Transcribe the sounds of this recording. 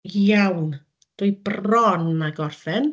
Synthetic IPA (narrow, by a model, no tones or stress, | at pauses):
jawn | d̥uʊjbrɔnːaɡɔrfɛn